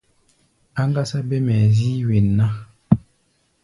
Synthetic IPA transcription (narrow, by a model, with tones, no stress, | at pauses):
a˦ŋ˦ɡa˦sa˦bɛ˦mɛ˨zi˦we˨nːa˦